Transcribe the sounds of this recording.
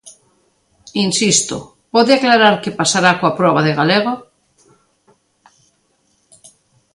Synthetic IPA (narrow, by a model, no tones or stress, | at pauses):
insist̪o̰ | pɔðeaklaɾaɾkepasaɾakoapɾɔβaðeɣaleɣ̞o